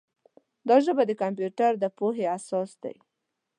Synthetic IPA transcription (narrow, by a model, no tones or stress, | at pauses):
d̪ɑʒəbad̪əkamp̬juʈaɾd̪əpoɦeasɑsd̪a̰j